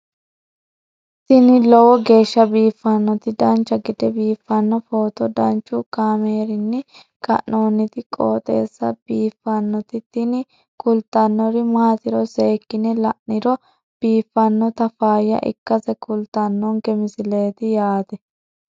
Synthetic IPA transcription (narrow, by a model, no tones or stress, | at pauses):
t̪ɪnɪlɔwɔɡe̞ːʃːɐbiːfːɐnːɔt̪ɪd̪ɐnt͡ʃːɐɡɪd̪ɛbiːfːɐnːɔfo̞ːt̪ɔd̪ɐnt͡ʃːʊkaːmeːɾɪnːɪ | kʼɐ̰ʔno̞ːnːɪt̪ɪkʼo̰ːt̪ʼe̞̰ːsːɐb̥iːfːɐnːɔt̪ɪt̪ːɪnɪ | kʊlt̪ːɐnːɔɾɪmaːt̪ɪɾɔse̞ːkːɪnɛlɐʔnɪɾɔ | b̥iːfːɐnːɔt̪ɐfaːjːɐ̰ʔɪ̰kːɐsɛkʊlt̪ɐnːɔnɡɛmɪsɪle̞ːt̪ɪjaːt̪ɛ